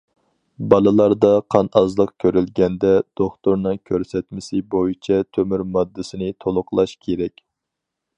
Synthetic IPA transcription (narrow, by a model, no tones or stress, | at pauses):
bɑlˠɨlˠɑɾd̪ɑqʰɑnɑzlˠəqkʲʰøɾylɡʲɛnd̪ɛd̪̥oχt̪ʊɾnɨŋkʲʰøɾsɛt̪mɪsɪbojit͡ʃʰɛt̪ʰømyɾmɑd̪ːɪsɪnɪt̪ʰolˠʊqlˠɑʃkʲʰeɾɛkʲ